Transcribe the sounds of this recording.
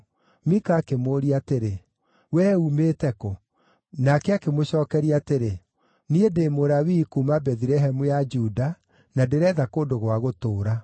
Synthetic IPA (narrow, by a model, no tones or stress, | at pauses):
mikaːkemoːɾiateɾe | wɛumetɛko | nakɛakemoɕɔːkɛɾiateɾe | niedemoɾawikuːmabɛðiɾɛɦɛmujad͡ʒuda | nadeɾɛːðakondoɣowaɣotoːɾa